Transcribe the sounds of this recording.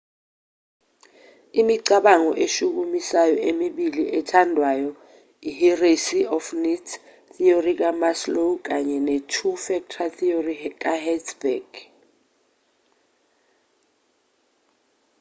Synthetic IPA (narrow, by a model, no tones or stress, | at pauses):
imiǀaɓaŋɔʔeʃuk̬umisajɔʔemiɓiliʔɛtʰandʱwajɔ | iɦiresiɔfnitʰ | θiorik̬amaslok̬aɲɛnetʰufɛk̚tʰatʰiorik̬ʼahɛtsbɛɡ̥